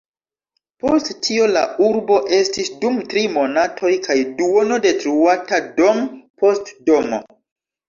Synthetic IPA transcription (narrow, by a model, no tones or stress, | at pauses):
po̞stːʰio̞la̰uɾbo̞ʔe̞stisdumtɾimo̞natʰo̞jkajduo̞no̞de̞tɾuatado̞mpo̞stdo̞mo̰